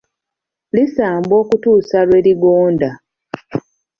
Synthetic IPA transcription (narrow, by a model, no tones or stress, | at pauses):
lisaːmbo̞ːkutuːsalwe̞ːɾiɡoːnda